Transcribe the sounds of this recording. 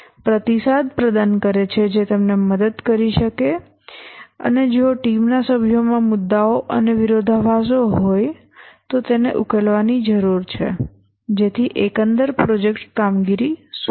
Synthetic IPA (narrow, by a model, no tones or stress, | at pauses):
pɾət̪isad̪̚pɾəd̪ankəɾet͡ʃʰed͡ʒet̪əmneməd̪əd̪kəɾiʃəke | ə̰ned͡ʒoʈimnasəbʱjomãmʊd̪ːaoʔəneʋɪɾod̪ʱaʋasoɦoj | t̪ot̪enḛʔukelʋanid͡ʒəɾuɾt͡ʃʰḛ | d͡ʒet̪ʰiʔekənd̪əɾpɾod͡ʒekʈkamɡiɾis